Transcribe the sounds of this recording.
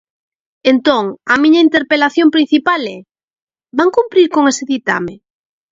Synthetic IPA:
ent̪oŋɐmĩɲɐint̪eɾpelaθjõmpɾin̟θipalɛ | baŋkumpɾiɾkoŋeseðit̪a̰me

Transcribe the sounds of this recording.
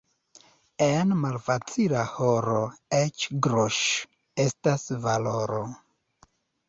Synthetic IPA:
enmalfat͡silahoɾo̞et͡ʃɡɾoʃ | e̞stasvaloɾo

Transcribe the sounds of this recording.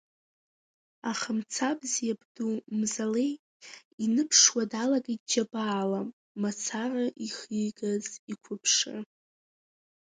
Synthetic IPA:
aχəmt͡sʰabzjabdumzalej | inɨpʰʂwadalaɡad͡ʒabaːla | mat͡sʰaraʔiχijɡazikʷʰʊpʰʂɨ̰

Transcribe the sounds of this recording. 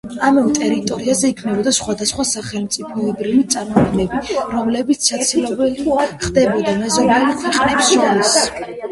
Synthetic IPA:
amɛt̪ʼɛɾit̪ʼɔɾiazɛikʰnɛbɔd̪asχwad̪asχwasaχɛlˠmt̪sʼipʰɔbɾivit̪sʼaɾmɔɡ̪ɡnɛbiɾɔmlɛbit̪sʰʃat̪sʰilɔbɛlχd̪ɛbɔd̪amɛzɔbɛlikʰwiqʼnɛpsɔls

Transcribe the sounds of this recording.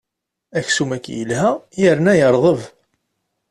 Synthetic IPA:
æçsumækːjə̰lhæjəɾnæjəɾˤðˤəv

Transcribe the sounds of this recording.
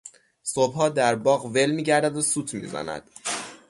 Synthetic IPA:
sobhɒːd̪æɾbɒːɣve̞lmiːɟæɾd̪æd̪osuːt̪ʰmḭːzæ̰næ̰d̪̥

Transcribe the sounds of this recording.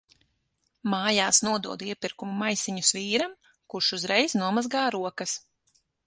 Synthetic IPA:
maːjaːsnuɔd̪uɔd̪iɛpiɾkumumajsiɲusviːɾam | kuʃuzɾɛjznuɔmazɡaːɾuɔkɐs

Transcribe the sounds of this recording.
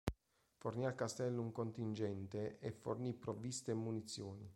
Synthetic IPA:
fornialkast̪ɛlːuŋkont̪ind͡ʒɛnt̪eʔefːornipːɾovist̪emːunit̪sːjoːni

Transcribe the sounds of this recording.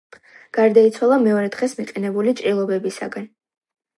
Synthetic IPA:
ɡ̥aɾd̪ait̪sʰwalˠamɛɔɾɛd̪̥ʁɛsmiqʼɛnɛbulit͡ʃʼɾilˠɔbɛbisa̰ɡan

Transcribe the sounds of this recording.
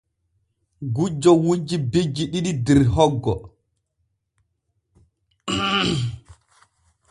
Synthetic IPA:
ɡud͡ʒːɔwud͡ʒibed͡ʒiɗiɗidiɾɦɔɡːɔ

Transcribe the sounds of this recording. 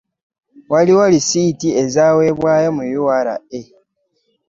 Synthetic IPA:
waliwalisiːtie̞zaːwe̞ːβwaːjamujuwaɾa̰e

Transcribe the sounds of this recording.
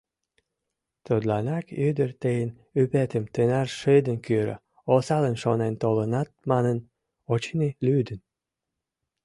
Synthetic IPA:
t̪od̪lɑnɑkyd̪ərt̪ejən | ypet̪əmt̪enɑrʃɨd̪ənkyɾə̰ | osɑlənʃonent̪olənɑt̪̚mɑnən | ot͡ɕinilyd̪ən

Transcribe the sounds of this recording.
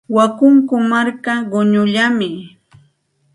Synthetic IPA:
wakʊŋkʊmaɾkaɢʊɲʊʎamɪ

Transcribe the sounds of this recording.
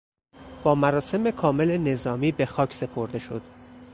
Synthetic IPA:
b̥ɒːmæɾɒːse̞me̞kʰɒːme̞lene̞zɒːmiːbe̞xɒːcʰse̞pʰo̞ɾd̪e̞ʃo̞̰d̪̥

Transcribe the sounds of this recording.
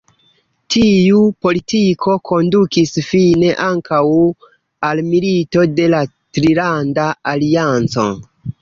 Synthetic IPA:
tʰijupo̞litikʰo̞kʰo̞ndukisfine̞ʔaŋkaw | almilito̞de̞la | tɾilandaaliant͡so̞̰

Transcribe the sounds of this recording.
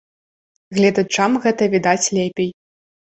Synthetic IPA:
ɣlʲɛd̪ɐt͡ʂamɣɛt̪ɐvʲid̪at͡sʲlʲɛpʲej

